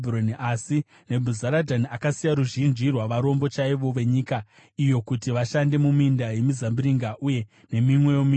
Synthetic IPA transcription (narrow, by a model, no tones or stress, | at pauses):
bironiʔasi | ne̞bʱuzaɾadʱaniakasijaɾuʒind͡ʒirwaʋaɾo̞mbo̞t͡ʃaiʋo̞ʋe̞ɲika | ijo̞kutiʋaʃande̞mumindaje̞mizambiɾiŋɡaʔuje̞ | ne̞mimwe̞jomi